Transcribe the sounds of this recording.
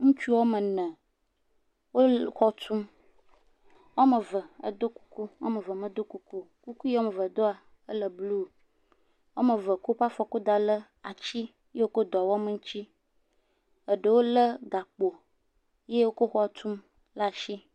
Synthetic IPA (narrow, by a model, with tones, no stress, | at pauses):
ŋũ˦t͡ʃu˦wo˦mə˨nə̃˨ | wo˦xɔ˦t̪ʰu˦m | wɔ˦mə˨və˨ə̰˨d̪o˦ku̥˦ku˦wa̰˦mə˨və˨mə˦d̪o˦ku˦ku˦ku˦ku˦je˦wo˦mə˨və˨d̪o˦a˨ | ə˦lə˨blu˦˨ | wɔ˦mə˨və˨ko˦pa˦fɔ˨ko˦d̪a˨lə˦ | a˨t͡ɕi˦ | je˦wo˦ko˦d̪ɔ˨wɔ˦mə˦˨ŋ̩˦t͡ɕi˦ | ə˨ɖə˨wo˦lə˦ɡa˨k͡po˨ | je˦wo˦ko˦xɔ˦˨t̪ʰu˦m | la˦˨ʃi˦